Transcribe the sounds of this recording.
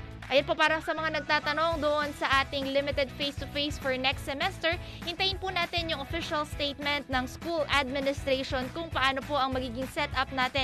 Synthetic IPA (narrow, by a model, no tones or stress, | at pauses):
ʔɐjonpo̞paːɾɐsɐmɐŋanɐɡ̚t̪aːt̪ɐno̞ŋd̪oʔonsɐʔaːt̪ɪŋlɪmɪt̪ɛd̪̚fejst̪ʊfejsfɔɹnɛkst̪sɛmɛst̪ɛɹ | hɪnt̪ɐjɪnpʊnaːt̪ɪnjʊŋʔofɪʃɐlst̪ejt̪̚mɛnt̪̚nɐŋskulʔad̪̚mɪnɪst̪ɾeʃonkʊŋpɐʔaːnopo̞ʔɐŋmɐɡiːɡɪŋsɛt̪ʔɐp̚naːt̪ɪ